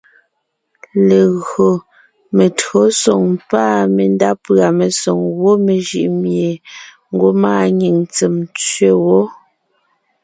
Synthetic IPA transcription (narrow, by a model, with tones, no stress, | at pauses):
le˨ɣɰo˨ | me˨tɰo˨˦sɔ˨ŋpaː˦me˨n˦da˦pɰa˨me˨sɔ˨ŋwo˦me˨ʒḭ˨ʔmje˨ | ŋ̩˦ɡo˦maː˦˨ɲi˨ŋt͡se˨mt͡sɥe˦˨wɔ˦